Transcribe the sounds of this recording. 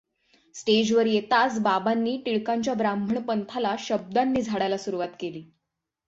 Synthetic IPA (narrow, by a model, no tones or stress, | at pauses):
sʈed͡ʑʋəɾjet̪at͡sbabanːiːʈiɭkaɲt͡ɕjabɾambʱəɳpənt̪ʰalaɕəb̚d̪anːiːd͡zʱaɽajlasuɾuʋat̪keliː